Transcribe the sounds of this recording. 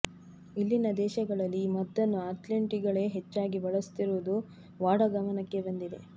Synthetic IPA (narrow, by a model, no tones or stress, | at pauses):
ilːinɐd̪ɛːʃɐɡɐɭɐlːimɐt̪ːɐnːuaːʈlɐɳʈiɡɐɭe̞ːɦet͡ʃːaːɡibɐɭɐst̪iɾuʋud̪u | ʋaːɽɐɡɐmɐnɐkːe̞bɐnd̪id̪e̞̰